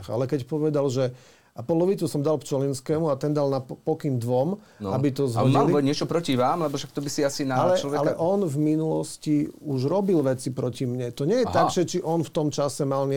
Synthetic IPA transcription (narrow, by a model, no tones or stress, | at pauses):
xa̰lɛkɛcpɔʋɛd̪alʒɛ | apɔlɔʋit͡susɔmd̪alkt͡ʃɔlinskɛːmuat̪ɛnd̪alnapɔkind̪ʋɔm | abit̪ɔzɦr̩iliɔɲɪɛt͡ʃɔpɾɔciʋaːmlɛbɔʃak̚t̪ɔbisiasinaalɛɔʋɛalɛʔɔnvminulɔsciuʒɾɔbilʋɛt͡sipɾɔcimɲɛt̪ɔɲɛjɛt̪aɡʒɛt͡ʃiʔɔnft̪ɔmt͡ʃasɛmalɲɪ